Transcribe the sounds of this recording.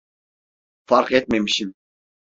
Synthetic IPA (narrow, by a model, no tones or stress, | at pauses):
fɑɾqɛt̪̚mɛjmiʃim